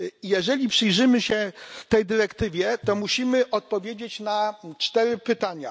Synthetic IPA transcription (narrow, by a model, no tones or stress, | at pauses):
jɛʐɛlʲipʂɘjʐɘmɘɕɛft̪ɛjd̪ɘɾɛkt̪ɘvʲjɛt̪ɔmuɕimɘʔɔt̪̚pɔvʲjed͡ʑet͡ɕnat͡ʂt̪ɛɾɘpɘt̪aɲa